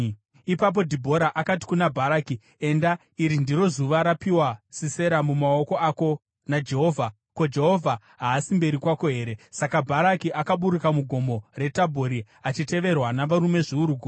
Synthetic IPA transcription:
ipap̬o̞dʱibʱo̞ɾaʔakati̥kunabʱaɾaːki | e̞nda | iɾindiro̞zuʋaɾapiwasise̞ɾamumaoko̞ako̞ | nad͡ʒe̞ɦo̞vʱa | kod͡ʒe̞ɦo̞vʱa | ɦaːsimbe̞ɾikwako̞ɦe̞ːɾe̞sakabʱaɾakiʔakaɓuɾukamuɡʱo̞mo̞re̞tabʱoɾi | at͡ʃite̞ʋe̞rwanaʋaɾume̞ʐiuɾuɡʱu

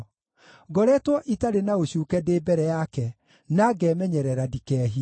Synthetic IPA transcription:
ɡɔɾɛtwɔʔitaɾenaoɕuːkɛdeːbɛɾɛjakɛ | naɡɛmɛɲɛɾɛɾadikɛːɦi

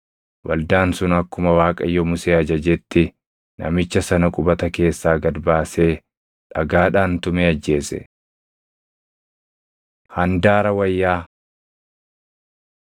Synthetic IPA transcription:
wʔɐ̰ld̪aːnsʊnɐkːʊmɐwaːkʼɐjːɔmʊseːɐd͡ʒɐd͡ʒɛt̪ːɪ | nɐ̰mɪt͡ʃːɐsɐnɐkʼʊbɐt̪ɐke̞ːsːaːɡɐd̪baːse̞ː | ᶑɐɡaːᶑaːnt̪ʊmeɐd͡ʒːe̞ːsɛ̰ | hɐnd̪aːɾɐwɐjːaː

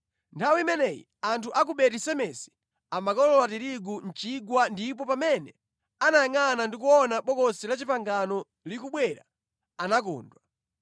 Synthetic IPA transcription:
ntʰawiimɛnɛjḭ | antʰuʔak̬uɓɛtisɛmɛsi̥ | amakɔlɔlatiɾiɡun̩t͡ʃiɡwandip̬ɔpamɛnɛ | anajaŋanandikuɔnaɓɔkɔsilat͡ʃipaŋɡanɔ | likuɓwɛɾa̰ | anak̬ɔ̰ːndwa

